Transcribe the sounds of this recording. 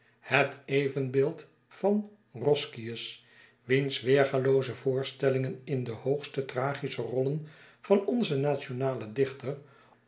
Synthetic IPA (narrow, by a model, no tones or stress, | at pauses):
hətejvənbeːlˠt | fɑn | rɔskiəs | ʋinsʋeːχalowzəvʊːɹstɛlɪŋənɪndəhowχstətraːχisərɔlən | v̥ɑnɔnzənaːt͡ʃonaːlədɪχtər